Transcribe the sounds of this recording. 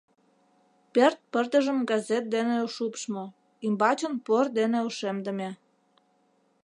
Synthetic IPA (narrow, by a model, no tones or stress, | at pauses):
pert̪̚pərt̪əʒə̆mɡɑzet̪̚d̪eneoʃupʃmo | imbɑt͡ɕonpord̪eneuʃemd̪əmʲe